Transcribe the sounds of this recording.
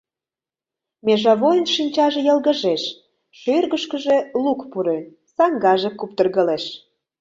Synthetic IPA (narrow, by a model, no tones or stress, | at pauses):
meʒɑβojnʃinʲt͡ɕɑʒĕjəlɣə̆ʒeʃ | ʃørɣəʃkəʒe̽lukpuɾø | sɑŋɡɑʒekup̚t̪ərɣəleʃ